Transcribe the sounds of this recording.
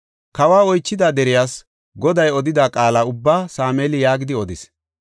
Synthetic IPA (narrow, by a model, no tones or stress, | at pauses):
kɐwaːɔjt͡ʃːɪd̪aːd̪ɛɾɪjaːs | ɡɔd̪ɐjɔd̪ɪd̪aːkʼaːlaːʊbːaːsaːmeːlɪjaːɡɪd̪ɪɔd̪ɪs